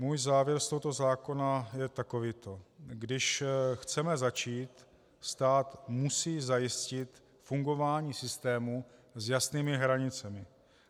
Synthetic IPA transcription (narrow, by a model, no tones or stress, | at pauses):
muːjzaːvjɛɾst̪o̞ɦot̪o̞zaːko̞najɛt̪ako̞vɪt̪oɡdɪʃxt͡sɛmɛzat͡ʃiːt̪ | st̪aːt̪musiːzajɪscɪt̪ | fuŋɡo̞vaːɲiːsɪst̪ɛːmuzjasniːmɪɦɾaɲɪt͡sɛmɪ